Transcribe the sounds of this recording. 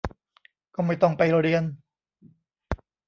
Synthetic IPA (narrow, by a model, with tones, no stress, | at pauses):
kɔː˥˩ma˥˩jt̪ɔ˥˩ŋpa˧jɾoː˧ɾi˧ən